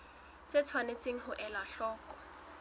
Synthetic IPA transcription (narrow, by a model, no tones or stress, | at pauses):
t͡sʼet͡sʰwanet͡sʼeŋ̩ɦʊʔɛlaɬɔːkʼɔ̥